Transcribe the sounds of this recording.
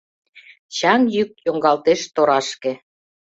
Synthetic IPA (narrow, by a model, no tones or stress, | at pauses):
t͡ɕɑŋjyk̚joŋɡɑlt̪eʃt̪oɾɑʃkĕ